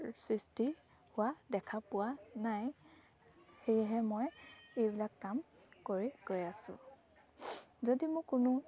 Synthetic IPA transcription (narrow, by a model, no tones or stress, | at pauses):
sɹisti | hʊwadɛkʰapʊwanaj | xejɦɛmojejbilakːam | koɹiɡ̥ojasʊ̰̃ | zodimʊkːʊnʊ